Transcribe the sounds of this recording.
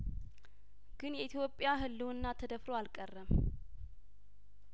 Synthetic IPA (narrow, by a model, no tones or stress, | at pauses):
ɡ̥ɨnjɛʔit̪ʰjo̞pʼːjaɦɨlːuɨnːat̪ʰəd̪əfɾoalkʼərːəm